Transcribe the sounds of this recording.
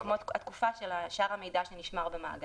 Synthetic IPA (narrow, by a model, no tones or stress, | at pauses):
kmo̞t̪at̪kufaʃelaʃaʁhame̞jdaʃeniʃmaʁbema̰a̰ɡ